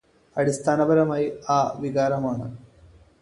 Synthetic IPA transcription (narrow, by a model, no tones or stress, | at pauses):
ɐɽist̪ʰaːnɐbɐɾɐmaːjiaːʋiɣaːɾɐmaːɳɨ